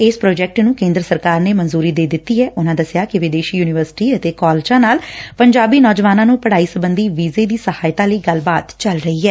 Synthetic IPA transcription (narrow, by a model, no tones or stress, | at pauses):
ɪspɾoːd͡ʒɛːk̚ʈnũːkẽːnd̪ɾəsəɾkaːɾneːmənzuːɾiːd̪eːd̪ɪt̪ːiːɦɛːʔʊnãːd̪əsɪjaːkɪʋɪd̪eːʃiːjuːnɪʋəɾsɪ̥ʈiːət̪eːkɔːlt͡ʃãːnaːlpəɲd͡ʒaːbiːnɔːd͡ʒʋaːnãːnũːpəɽaːiːsəbənd̪iːʋiːzeːd̪iːsəhaːɪt̪ãːləiːɡəlbaːt̪t͡ʃəlɾəiːɦɛː